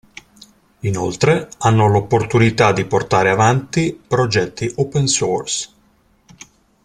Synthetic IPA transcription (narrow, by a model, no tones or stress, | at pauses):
inolt̪ɾeanːolopːort̪unit̪ad̪iport̪aːɾeavant̪ipɾod͡ʒɛt̪ːiʔopensɔrs